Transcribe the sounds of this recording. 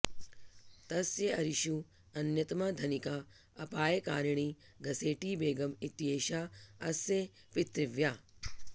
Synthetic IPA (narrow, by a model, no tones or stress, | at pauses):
t̪ɐsjɐɐɾiʃu | ɐnjɐt̪ɐmɐd̪ʱɐnikaː | ɐpaːjɐkaːɾiɳiɡɐseːʈiːbeːɡɐmit̪jeːʃaːɐsje | pit̪ɾɪʋjaː